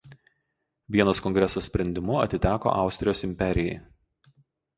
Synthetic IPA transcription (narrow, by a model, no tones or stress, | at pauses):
ʋʲiɛnoːskɔŋʲɡɾʲɛsoːsʲpʲɾʲɛnʲd̪ʲɪmʊɐ̰t̪ʲɪt̪ʲæːko̰ːʔɑˑʊsʲt̪ʲɾʲɪjoːsɪmʲpʲɛɾʲɪjɛɪ